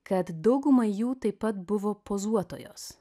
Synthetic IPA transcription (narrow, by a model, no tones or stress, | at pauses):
kɐt̪d̪ɐʊɡʊmɐɪjuːt̪ɐɪpːɐt̪̚bʊʋoːpoːzuɔt̪o̰ːjo̰ːs